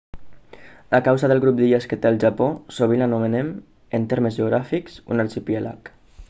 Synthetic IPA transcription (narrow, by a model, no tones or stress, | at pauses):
akawzaðəlˠɣɾup̚d̪iəskət̪eəlˠʒaposoβilənumənem | ənt̪eɾməzʒeuɣɾafiksṵnəɾt͡ʃipiela̰k